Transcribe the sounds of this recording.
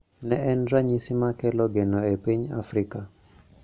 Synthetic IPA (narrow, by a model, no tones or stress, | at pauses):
nɛʔɛnɾaɲisimakɛlɔɡenɔepiɲa̰fɾika